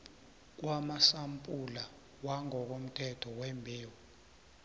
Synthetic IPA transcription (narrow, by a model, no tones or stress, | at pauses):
k̬ʼwamasampʼula | waŋɔk̬om̩tʰɛtʰɔwɛmbʱeːwɔ